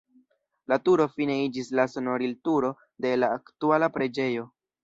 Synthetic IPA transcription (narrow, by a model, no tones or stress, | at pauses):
latuɾo̞fine̞id͡ʒislaso̞no̞ɾiltuɾo̞ | de̞laːktualapɾe̞d͡ʒe̞jo̞